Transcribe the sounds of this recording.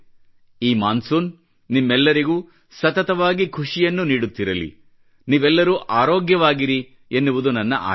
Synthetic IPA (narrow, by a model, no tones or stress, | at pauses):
iːmaːnsuːnː | imːɛlːɐɾiɡuː | sɐt̪ɐt̪ɐʋaːɡikʰuʂijɐnːuniːɽut̪ːiɾɐlḭ | niːʋɛlːɐɾuʔaːɾoːɡjɐʋaːɡiɾi | enːuʋud̪unɐnːɐʔa̰ː